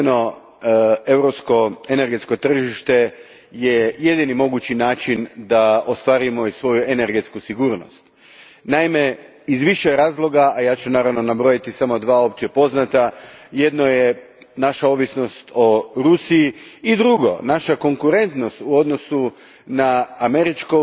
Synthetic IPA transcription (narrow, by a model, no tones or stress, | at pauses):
no | e̞wɾopsko̞ene̞ɾɡe̞t̪sko̞t̪r̩ʒiʃt̪e̞ | jeje̞d̪inimo̞ɡut͡ɕinaːt͡ʃind̪aost̪ʋaːɾimo̞isʋo̞jue̞ne̞ɾɡe̞t̪skusiɡuːɾno̞̰st̪ | naime̞ | izʋiʃeɾaːzlˠo̞ɡaajaːt͡ɕunaːɾaʋno̞nabɾojit̪isamo̞d̪ʋaːo̞pt͡ɕe̞po̞znat̪ajed̪no̞je | naʃao̞ːʋisno̞st̪o̞ɾusiiːd̪ɾuɡo̞̰naʃako̞ŋkuɾe̞nt̪no̞st̪uo̞d̪no̞su | naːme̞ɾit͡ʃko